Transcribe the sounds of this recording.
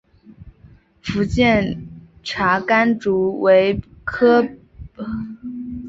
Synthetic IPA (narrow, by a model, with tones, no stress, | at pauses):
fu˧˥t͡ɕjɛ˥˩n | ʈ͡ʂʰa˧˥ka˥nʈ͡ʂu˧˥we˧˥ɪ | kʰɤ˥